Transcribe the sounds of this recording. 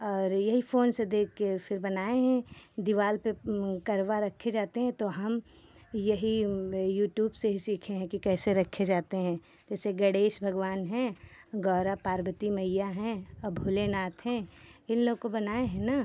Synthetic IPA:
ɔːɾjɐɦifoːnsed̪eːkʰkefʰɪɾbɐnaːeɦɛ̃d̪ɪʋaːlpekɐɾʋaɾɐkʰed͡ʒaːt̪eɦɛ̃t̪oɦɐm | jɐɦijuːʈjuːbseɦisiːkʰẽɦɛ̃kikɛːseɾɐkʰːed͡ʒaːt̪eɦɛ̃ | d͡ʒɛːseɡɐɽeːʃbʱɐɡʋaːnɦɛ̃ɡɔːɾapaːɾbət̪imɐɪjaɦɛ̃bʱulenaːt̪ʰɦɛ̃ɪnloːɡ̚kobɐnaːeɦɛ̃naː

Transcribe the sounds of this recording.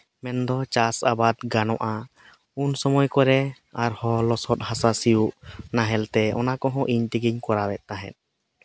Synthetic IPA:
mɛnd̪ɔt͡ʃasabad̪ɡanɔʔa | unsɔmɔjkɔɾɛ | aɾhɔlɔsɔt̪̚hasasijuʔnaɦɛlt̪ɛɔ̰nakɔɦɔ̃ʔiɲt̪iɡiɲkɔɾawɛt̪̚ˀt̪aɦɛ̰̃t̪̚

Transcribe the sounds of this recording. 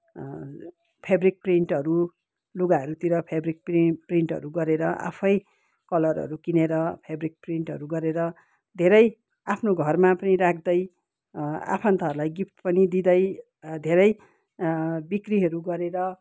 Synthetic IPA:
pʰebrik̚priɳʈʌɾu | luɡaɦʌɾut̪iɾʌpʰebrik̚pripriɳʈɦʌ̰ɾuɡʌɾeɾʌʔa̰pʰʌj | kʌlʌrɦʌ̰ɾukineɾʌpʰebrik̚priɳʈɦʌ̰ɾuɡʌɾeɾʌ | d̪ʱeɾʌj | apʰnoɡʱʌrmapʌniɾakʰd̪ʌj | a̰pʰʌnt̪aɾulajɡipt̪pʌnid̪id̪ʌj | d̪ʱeɾʌj | bikriɦʌɾuɡʌɾeɾʌ

